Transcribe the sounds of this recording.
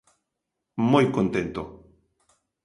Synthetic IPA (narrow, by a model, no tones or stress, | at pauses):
mojkont̪ẽnt̪o